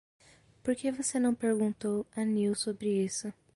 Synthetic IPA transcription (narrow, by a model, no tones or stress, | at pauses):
poɾkevosenɐ̃w̃peɾɡũnt̪owɐniwsobɾɪisʊ